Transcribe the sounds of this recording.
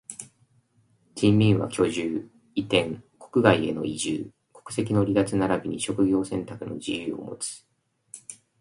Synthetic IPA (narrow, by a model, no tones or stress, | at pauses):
d͡ʑĩmːʲĩɰ̃βa̰kʲo̞ʑɨː | it̪ẽ̞ŋko̞̥kɯ̟ɡaie̞̰no̞̰iʑɨː | ko̞̥kɯ̟̥se̞kʲino̞ɾʲid̪at͡sɨnaɾabʲiɲ̟iɕo̞kɯ̟ɡʲo̞ːsẽ̞nt̪akɯ̟no̞̰d͡ʑijɯːo̞̰mo̞̰t͡sɨ̥